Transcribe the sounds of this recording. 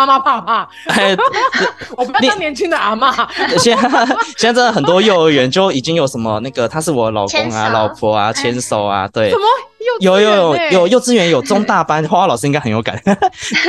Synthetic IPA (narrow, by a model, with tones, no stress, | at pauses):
a˥˧ma˥pʰa˥˧pʰa˥˩ | e˥˩˥ | wɔ˨˩˥n˧˥˧njɛ˧˦nt͡ɕʰy˥ŋd̪ə˨a˧˥ma˥˧˥ɕɛ˥n˥ɕɛ˥˧t͡s̩̪˥ə˩xə˨˩nt̪wɔ˥jo˥˩ʊɥɛ˧˥nt͡ɕjo˥ʊi˨˩t͡ɕi˥ŋjo˧˥ʊʂə˧˥nmə˧na˥˩ɡə˩t̪ʰa˥ʂɻ̩˥˩wɔ˨˩lɑ˨˩ʊkʊ˥ŋa̰˧lɑ˨˥ʊpʰwɔ˧˥a˧t͡ɕʰjɛ˧˥nso˨˩ʊa̰˦t̪we˥˩ɪ˨˩˧jo˨˩ʊjo˧jo˨˩ʊjo˨˩ʊjo˥˩ʊt͡sɹ̩˥ɥɛ˧˥njo˨˩ʊt͡sʊ˥ŋt̪a˥˩pa˥nxwwa˥lɑ˨ʊʂɻ̩˥i˥ŋɡa˥ɪxə˧njo˧˥ka̰˨˦n